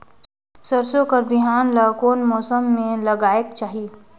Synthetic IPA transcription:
sɐɾsõkəɾbɪɦaːnlaːkoːnmɔːsəmːẽlɐɡaːekt͡ʃaːɦie

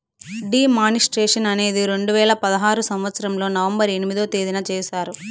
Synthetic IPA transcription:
ɖiːmaːnisʈɾeːʂɐnɐne̞ːd̪iɾe̞ɳɖuʋɛːɭɐpɐd̪ɐɦaːɾusɐmʋɐt̪sɐɾɐmlo̞ːnɐʋɐmbɐɾe̞nimid̪oːt̪eːd̪inɐt͡ʃɛːsaːɾu

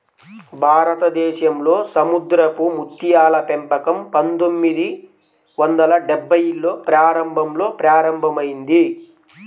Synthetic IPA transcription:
bʱaːɾɐt̪ɐd̪ɛːʃɐmlo̞ːsɐmud̪ɾɐpumut̪ːijaːlɐpempɐkɐmpɐnt̪omːid̪i | ʋɐnd̪ɐlɐɖɛbʱːɐjilːo̞ːpɾaːɾɐmbʱɐmlo̞ːpɾaːɾɐmbʱɐmɐjind̪i

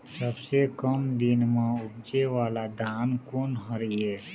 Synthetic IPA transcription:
səbsekəmd̪ɪnmãʊbd͡ʒewaːlad̪ʱaːnkoːnəɾiɛː

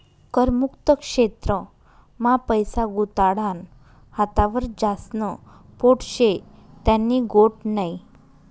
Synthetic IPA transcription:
kəɾmukt̪əkʂet̪ɾə | mãpəjsaɡut̪aɽan | hat̪aʋəɾd͡ʑasnə | poʈɕet̪janːiɡoʈnaj

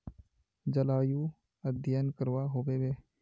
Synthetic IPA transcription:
d͡ʒəlaːjuː | əd̪ʱjənkəɾʋaːɦoːʋeːbeː

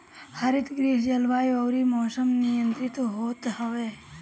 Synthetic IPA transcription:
həɾɪt̪ɡɾiːɦd͡ʒɐlʋaːjoːɾimɔːsəmnijə̃nt̪ɾɪt̪ɦoːt̪ɦəʋeː

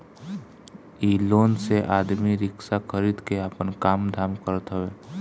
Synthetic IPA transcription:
iːloːnseʔaːd̪miɾɪksaxʰəɾiːd̪keaːpənkaːmd̪ʱaːmkəɾt̪ɦəʋeː

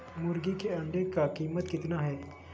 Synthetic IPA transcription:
mʊɾɡikeɐ̃ɳɖekakiːmət̪kɪt̪naɦɛː

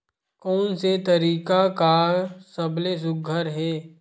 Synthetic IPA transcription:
kɔːnset̪ɐɾiːkakasɐbles̬ʊɡʱəɾɦɛː

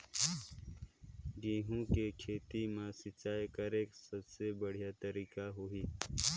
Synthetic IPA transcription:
ɡiːɦũkekʰeːt̪imãsɪt͡ʃaːjkɐɾeːksɐbsebəɽ̤ijat̪əɾiːkaɦʊiː

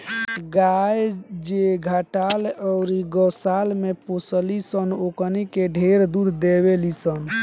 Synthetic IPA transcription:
ɡajd͡ʒeɡʱəʈalɔʊɾiɡəsalmeposəlisənokənikeɖʱeɾd̪ud̪ʱd̪eβelisən

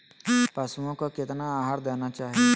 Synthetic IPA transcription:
pɐsuõkokɪt̪naːɦaɾd̪ɛːnat͡ʃaːɦie

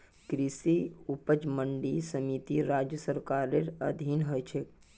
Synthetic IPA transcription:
kɾisiupəd͡ʒməɳɖisəmit̪iɾad͡ʒjəsəɾkaɾeɾəd̪ʱinɦojt͡ʃʰe

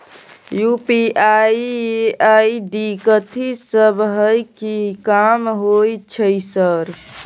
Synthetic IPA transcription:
jupiajaiɖikət̪ʰisəbɦəjkikamɦojt͡ʃʰəjsəɾ

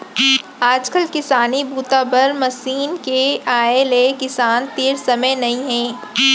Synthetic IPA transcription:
aːd͡ʒkəlkɪsaːnibuːt̪abɐɾmɐsiːnkeaːeleːkɪsaːnt̪eːɾsɐməjnɐɦĩɦɛ̃ː

